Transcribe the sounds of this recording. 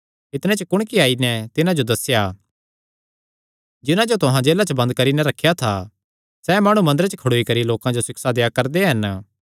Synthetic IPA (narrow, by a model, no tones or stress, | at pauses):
ɪt̪nɛ̃t͡ʃəkʊɽ̃kiaːinɛt̪ɪnãd͡ʒod̪ɐsja | d͡ʒɪnãd͡ʒot̪ʊɦãd͡ʒeːlat͡ʃəbɐ̃nd̪̚kɐɾinɛɾɐkʰːjat̪ʰa | sɛmaːɽ̃ũmɐ̃nd̪əɾət͡ʃəkʰɐɽoːikɐɾiloːkãd͡ʒosɪksad̪ejakɐɾd̪eɦɐn